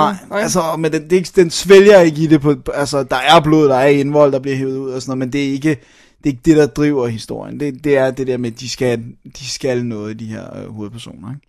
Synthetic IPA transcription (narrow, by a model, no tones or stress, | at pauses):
nɑ̈ɪɪælsəɒ̽mend̥end̥e̝eɡ̥d̥ensʋeljɐe̝ɡ̥əid̥e̝pʰɒ̽ælsəd̥ɑ̈æɐb̥lo̝ð̩ˠd̥ɑ̈æɐe̝nʋɒ̽l̰d̥ɑb̥liɐ̰ɦeːʊð̞̩ˠuð̞̰ˠɒsɔnɔ̽ð̩ˠmend̥e̝æɐe̝ɡ̥ə | d̥e̝e̝ɡ̥əd̥e̝ɾ̥ɑ̈d̥ʁḭʊ̰ɐhisd̥o̝ɐ̰jənd̥e̝d̥e̝æɐd̥e̝d̥eɐ̰med̥isɡ̥æd̥isɡ̥ælnɔ̽ːð̞̩ˠid̥iheɐ̰øho̝ːð̩ˠpʰæɐso̝̰ːnɐeɡ̥